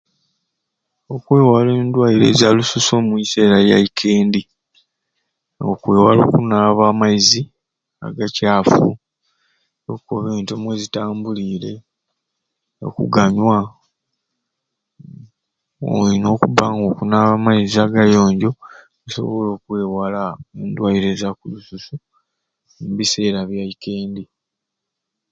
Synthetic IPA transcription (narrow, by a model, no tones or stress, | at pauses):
o̞kweːwaleːndwajiɾe̞̰ːzjalususo̞ːmuise̞ːɾajaikʰe̞ːndi | okwe̞ːwalo̞̰ːkunalaβaːmaizi | a̰ɡacaːfu | okoβeːntomwezitaːmbuliːɾe̞̰ | o̰kṵɡaɲwa | o̰lino̞ːkubaŋɡo̞kunaβaːmaiziaɡajo̞ːɲɟo̞ | eso̞̰βo̞lo̞ːkwe̞ːwalaendwaiɾezakulususu | muβise̞ːɾaβjaike̞ːndi